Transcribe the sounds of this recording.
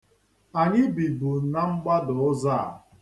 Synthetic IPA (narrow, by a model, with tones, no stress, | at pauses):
a˨ɲɪ˦bi˨bu˨na˦ŋ͡m̩˦ɡ͡ba˦dʊ˨ʊ˦za̰˦˨